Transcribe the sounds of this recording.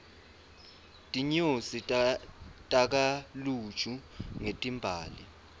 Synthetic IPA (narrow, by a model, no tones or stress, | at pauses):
tʼiɲosi | tʼak̬alu̥t͡ʃʰʼuŋetʼimbʱaːli